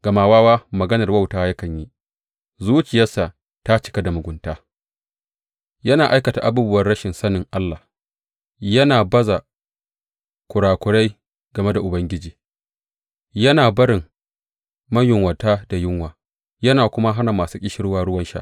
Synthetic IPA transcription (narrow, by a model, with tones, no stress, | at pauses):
ɡ̥ɐ˨maː˨waː˦waː˦mɐ˨ɡɐ˦nɐ˨rwa˦wtaː˦jɐ˦kɐ˨ɲji˦ | zuː˦t͡ʃɪ˨jɐ˦sa˨ | ta˦t͡ʃɪ̥˦ka˦da˨mʊ˨ɡʷʊ˨ntaː˦ | jɐ˦naː˨ʔa˦jkɐ˨ta˨ʔa˦buː˦bʊ˦wɐ˨rɽɐ˦ʃɪ˨nsɐ˦nɪ˨ŋʔa˦lːa˨h | jɐ˦naː˨bɐ˦za˨ | kʷʊ˨ɽaː˨kʷʊ˨ɽa˦j | ɡɐ˨me˦da˨ʔʊ˨bɐ˦ŋɡʲɪ˦d͡ʒiː˨ | jɐ˦naː˨bɐ˦ɽɪ˨ŋ | mɐ˦ɲjʊ˨ŋwɐ˨taː˦da˨jɪ˦ŋwaː˨ | jɐ˦naː˨kʷʊ˦ma˦ɦa˦na˨maː˨suː˦kʲʼɪ˦ʃɪ˦ɽwaː˦ɽʊ˦wɐ˦nʃa̰˦ʔ